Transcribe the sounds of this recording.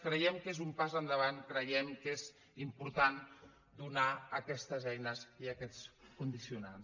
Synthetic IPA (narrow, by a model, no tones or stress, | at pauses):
kɾəjɛmkezumpazənd̪əβankɾəjɛmkez | impuɾt̪an | d̪unaəkɛst̪əzɛjnəziəkɛt͡skund̪isiunans